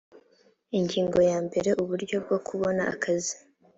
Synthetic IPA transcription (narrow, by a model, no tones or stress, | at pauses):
iɲɟiːŋɡo̞jaːmbe̞ɾe̞ʔuβuɾɟo̞b̚ɡo̞kʰuβo̞naʔa̰kʰazi